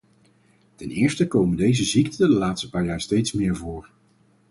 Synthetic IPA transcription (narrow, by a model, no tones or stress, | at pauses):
tɛnɪːɹstəkowməndejzəziktədəlaːtstə̥paːɹjaːɹstejtsmɪːɹvʊːɹ